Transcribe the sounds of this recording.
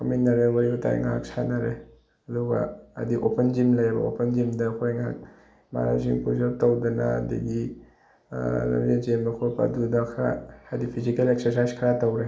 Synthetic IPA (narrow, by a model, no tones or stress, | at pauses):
kʰaminːɐɾewɐɾibutʰa̰jŋa̰k̚sʰanɐɾe | ɐduɡɐ̰ːdiʔopend͡ʒimlɐjɐbɐ̰o̰pend͡ʒimdɐkʰojŋak̚ | ma̰ɾa̰ziŋpʰuzɐp̚tɐwdɐnɐ̰dḭɡi | nɐ̰bed͡ʒembɐkʰojpa̰dudɐkʰa̰adipʰizikelek̚seɾsajzkʰɐɾatɐwɾe